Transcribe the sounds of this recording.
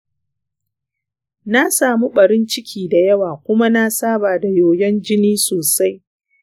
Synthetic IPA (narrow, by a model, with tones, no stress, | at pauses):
na˦saː˨mu˦ɓɐ˨ɾɪ˦nt͡ʃɪ˦kʲʰiː˨da˨jɐ˦waː˨kʷʊ˦ma˦na˦saː˦baː˨da˨joː˨jɛ˦nd͡ʒɪ˦niː˦soː˨sa˦j